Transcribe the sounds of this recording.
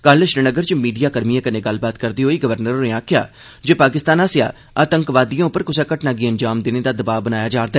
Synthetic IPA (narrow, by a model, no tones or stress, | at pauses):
kəlləʃɾɪnəɡəɾt͡ʃmiːɖijaːkəɾmijãːkənẽːɡəlːbaːt̪kəɾd̪iːɦoːiːɡəʋəɾnəɾoneːaːkʰɪja̰ː | d͡ʒeːpaːkɪst̪aːnaːsɪja̰ː | aːt̪əŋkʋaːd̪ijãːʊpːəɾkʊsaːkəʈnaːɡiːənd͡ʒaːmd̪eːneːd̪aːd̪əbaːbənaːjaːd͡ʒaːɾd̪aɛː